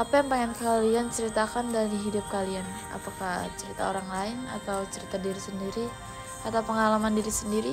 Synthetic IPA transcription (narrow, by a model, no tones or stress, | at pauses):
ʔapajaŋpaŋankaliant͡ʃəɾit̪akandaɾiɦidʊp̚kalian | a̰pakaht͡ʃəɾit̪a̰oɾaŋlaɪna̰t̪awt͡ʃəɾit̪adiɾisəndiɾi | at̪awpəŋalamandiɾisəndiɾi